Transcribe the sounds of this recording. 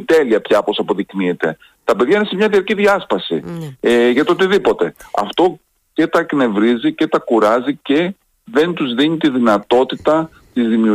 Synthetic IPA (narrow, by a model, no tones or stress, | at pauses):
t̪e̞liɐpçɐpo̞sɐpo̞ðikniet̪e̞̰ | t̪ɐpe̞ðʝɐine̞semɲɐðiɐɾciðiɐspɐsḭ | ʝɐt̪ot̪iðipo̞t̪e̞ɐ̰ft̪o̞ | ce̞t̪ɐkne̞vɾizice̞t̪ɐkuɾɐzice | ðe̞nt̪uzðinit̪iðinɐt̪o̞t̪it̪ɐ | t̪izðimiu